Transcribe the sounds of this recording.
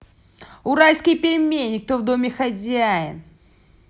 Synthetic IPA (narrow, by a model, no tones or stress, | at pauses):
ʊɾalʲskɨjpʲɪɾʲɪmʲenʲːɪk̚t̪ovd̪omʲɪxɐzʲajə̰